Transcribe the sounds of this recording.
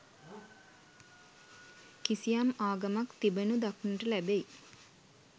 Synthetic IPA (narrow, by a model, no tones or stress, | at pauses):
kisijamaːɡamakt̪ibənud̪aknuʈəlæbej